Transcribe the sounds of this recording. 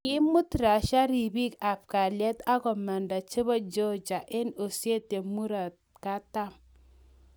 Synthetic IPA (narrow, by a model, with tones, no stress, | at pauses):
ki˦mu˦tɾa˨ʃa˦ɾi˨bi˦ka˨fka˨lje˦ta˦ko˨ma˨nda˨t͡ʃe˦ba˦d͡ʒo˦d͡ʒa˨ʔe˦no˨sje˦te˨mu˦ɾa˨t̚ | ka˦ta˦m